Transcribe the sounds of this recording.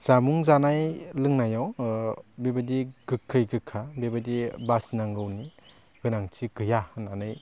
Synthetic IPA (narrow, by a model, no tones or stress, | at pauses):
z̥amuŋzanajlɯŋnajaw | bebadiɡɯkʰːɯjɡɯkʰːabebadibasnaŋɡɯwni | ɡ̥ɯnaŋtʰiɡɯjahɯnanɯj